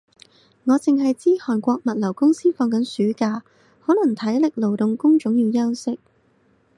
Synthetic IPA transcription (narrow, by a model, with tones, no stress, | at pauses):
ŋɔː˨˧t͡sɪ˨ŋɦɐ˨jt͡siː˥hɔː˨˩nkʷɔː˧k̚mɐ˨t̚lɐ˨˩wkʊ˥ŋsiː˥fɔː˧ŋkɐ˨˥nsyː˨˥kaː˧ | hɔː˨˥wlɐ˨˩ŋt̪ʰɐ˨˥jlɪ˨k̚lo˨˩wt̪ʊ˨ŋkʊ˥ŋt͡ʃʊ˨˥ŋjiː˨˧wjɐ˥wsɪ˥k̚